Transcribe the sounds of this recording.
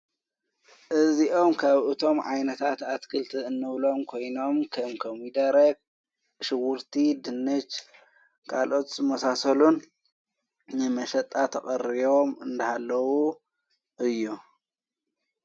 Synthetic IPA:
ʔɨziʔo̞mkʰaβʔɨt̪ʰo̞mʕajnɐt̪ʰat̪at̪kʰɨlt̪ʰɨɨnːɨβlo̞mkʰo̞jno̞mkʰɐmkʰɐmid̪ɐɾɐɡ̚ | ʃɪwʊɾt̪ʰid̪ɨnːɨt͡ʃ | kʰalʔo̞t̪zɨmɐsasɐlun | nɨmɐʃɐt̪ʼːat̪ʰɐχʼɐɾiβomɨnd̪ɐhalːɐwu | ʔɨjːu

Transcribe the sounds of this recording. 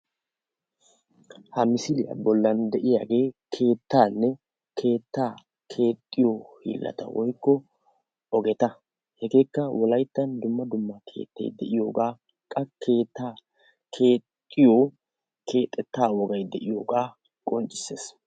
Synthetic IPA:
hɐmɪsɪlɪjɐ̰bɔlːɐnd̪ɛʔɪjaːɡe̞ːkʰe̞ːt̪ːaːnːɛ | kʰe̞ːt̪ːaː | kʰe̞ːt̪ʼːɪjoːhḭːlːɐ̰t̪ɐ̰wɔjkːɔ | ɔɡɛt̪ɐ | hɛɡe̞ːkːɐwɔlɐjt̪ːɐnd̪ʊmːɐd̪ʊmːɐkʰe̞̰ːt̪ːɐ̰jd̪ɛʔɪjo̞ːɡaː | kʼɐkʰeːt̪ːaː | kʰeːt̪ʼːɪjoː | kʰe̞ːt̪ʼːɛt̪ːaːwɔɡɐjd̪ɛʔɪjoːɡaː | kʼɔnt͡ʃʼːɪ̥se̞ːs

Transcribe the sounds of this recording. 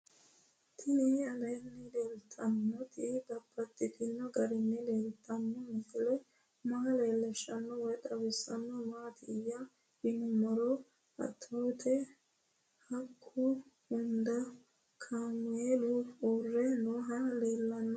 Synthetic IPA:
t̪ʰɪnɪɐd̪ɐjnːɛleːlt̪ʰːɐnːɔt̪ɪɡ̪ɐbːɐt̪ːɪt̪ɪnːɔɡɐɾɪnːɛleːlt̪ʰʼːɐnːɔmʊkɪlɛ | maːleːlːɛʃɐnːɔwɔjd̪ɐwɪsːɐnːɔmaːt̪ʰɪɪjɐ | ɪnʊmɔɾɔ | ɐ̰t̪ʰːoːt̪ʰɛ | hɐkʰːʊhʊnd̪ɐ | kʰaːmʊeːluoːrːɛnoɦɐleːlːɐnːɔ

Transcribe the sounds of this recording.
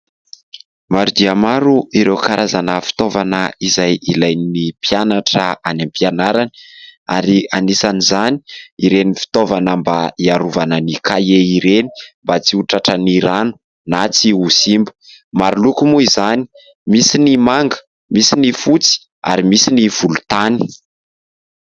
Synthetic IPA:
maɾud̪iamaɾuʔiɾewkaɾʔazanəfi̥t̪ovanəizajilajninipijanaʈ͡ʂəanampianaɾani̥aɾianisanizani̥iɾenifi̥t̪ovanəmbaiaɾuvanənikajeiɾeni̥mbat͡siuʈ͡ʂaʈ͡ʂəniɾanu̥ | nat͡siusimbəmaɾulukumuizani̥ | misinimaŋɡə̥ | misinifut͡si̥ | a̰ɾimisiniv̥ulut̪ani̥

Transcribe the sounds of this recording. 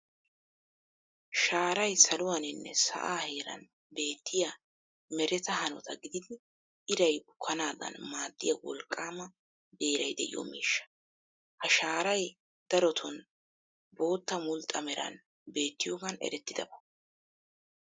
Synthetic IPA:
ʃaːɾɐjsɐlʊwanɪnːɛ̰sɐ̰ʔaːhe̞ːɾɐ̰n | be̞ːt̪ːɪjɐ | mɛɾɛt̪ɐhɐnɔ̰t̪ɐɡɪd̪ɪd̪ɪ | ɪɾɐjbʊkʰːɐnaːd̪ɐ̰nmaːd̪ːɪjɐwɔ̰lkʼːaːmɐ | d̪eːɾɐjd̪ɛ̰ʔɪ̰jɔ̰mḭːʃːɐ̥ | hɐʃaːɾɐj | d̪̥ɐɾɔt̪ʰɔn | bo̞ːt̪ːɐmʊlt̪ʼːɐmɛɾɐ̰n | be̞ːt̪ːɪjoːɡɐnɛ̰ɾɛt̪ːɪd̪ɐbɐ

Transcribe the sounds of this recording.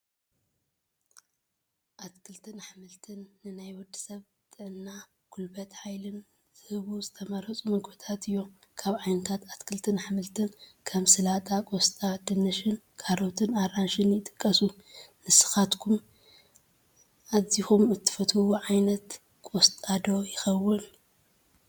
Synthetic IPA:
ʔat̪kʰɨlt̪ʰɨnħamɨlt̪ʰɨnːɨnajwɔd̪ːɨ̥sɐβ | t̪ʼɨʕɨnːa | kʰulbɐt̪ħajlɨn | z̥ɨhɨβuzɨt̪ʰɐmɐɾhɐt͡sʼumɐɡbɨt̪ʰat̪ʰɨjːo̞ | kʰaβʕajnɐt̪ʰat̪at̪kʰɨlt̪ʰɨnħamɨlt̪ʰɨnkʰɐmsɨlat̪ʼakʼost̪ʼad̪ɨnɐʃɨn | kʰaɾot̪ʰɨnaɾanʃɨnjɪt̪ʼɨ̥kʼːɐsu | nɨsɨ̥xat̪kʰum | ʔazixumɨt̪ʰːɨ̥fɐt̪hɨwuʕajnɐt̪ | kʼost̪ʼad̪o̞jɪxɐwːɨn

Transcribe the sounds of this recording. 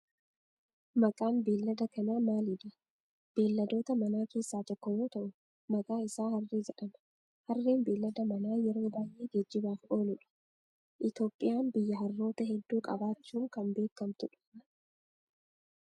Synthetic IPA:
mɐkʼaːnbe̞ːlːɐd̪ɐkɐnaːmaːlɪᶑ̪ɐ | b̥e̞ːlːɐd̪o̞ːt̪ɐmɐnaːke̞ːsːaːt̪ɔkːɔjoːt̪ɐʔʊ | mɐkʼaːɪsaːhɐrːeːd͡ʒɛᶑɐm | hɐrːeːnbe̞ːlːɐd̪ɐmɐnaːjɛɾo̞ːbaːjʔe̞ːd͡ʒɛd͡ʒːɪbaːfʔo̞ːlʊᶑɐ̥ | ʔɪt̪o̞ːpʼːɪjaːnbɪjːɐɦɐrːo̞ːt̪ɐɦɛd̪ːuːkʼɐ̰baːt͡ʃːuːŋkɐmbe̞ːkːɐmt̪ʊᶑʊ̥

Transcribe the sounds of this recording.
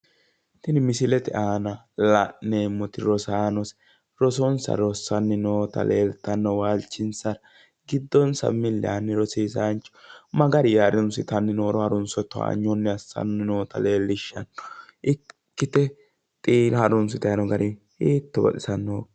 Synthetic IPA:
t̪ɪnɪmɪsɪlɛt̪ɛʔaːnɐ | lɐʔeːmːɔt̪ɪɾɔsaːnɔs | ɾɔs̬ɔnsɐ̰ɾɔsːɐnːɛnoːt̪ɐ̰lʔeːlt̪ːɐnːɔwaːlt͡ʃːɪnsɐɾ | ɡɪd̪ːɔnsɐ̰mɪlːɛ̰ɐnːɛɾɔsiːs̬ant͡ʃːɔ̥mɐɡɐɾɪjaːɾɪnsɪt̪ɐnːɛnoːɾɔhɐɾɔnsɔt̪ːɔa̰ɲːɔnːɛɐsːɐ̰nːɛnoːt̪ɐ̰leːlːɪʃːɐnɔʔɪkːɪt̪ɛ | t̪ʼiːɾhɐɾɔnsʊt̪ɐɐnɔɡɐɾʔɪ | hiːt̪ːɔbɐ̰tʼɪsɐnːoː

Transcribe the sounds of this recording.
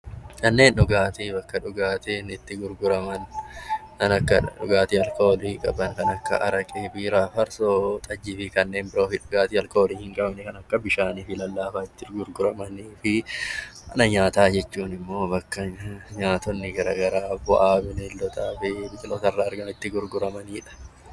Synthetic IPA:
kɐnːe̞ːnᶑʊɡaːt̪iːbɐkːɐᶑʊɡaːt̪ɪnɪt̪ːɪɡʊɾɡʊɾɐmɐn | ɐnɐkːɐᶑʊɡaːt̪iɐlkoːlikʼɐ̰bɐŋkɐnɐkːɐ̰ʔɐɾɐkʼeːbiːɾaːfɐɾsoːt̪ʼɐd͡ʒːɪfɪkɐnːe̞ːnbɪɾo̞ːfɪᶑʊɡaːt̪iːɐlkoːliːhɪŋkʼɐbnɛkɐnɐkːɐbɪʃaːniːfɪlɐlːaːfaɪt̪ːɪɡʊɾɡʊɾɐmɐniːfɪ | ɐ̰nɐɲaːt̪aːd͡ʒɛt͡ʃːuːnɪmːo̞ːbɐkːɐɲaːt̪ɔnːɪɡɐɾɐɡɐɾaːbɔ̰ʔaːbɪnɛlːɔt̪aːfɪbɪd͡ʒɪloːt̪ɐrːaːɾɡɐmɪt̪ːɪɡʊɾɡʊɾɐmɐniːᶑɐ̥

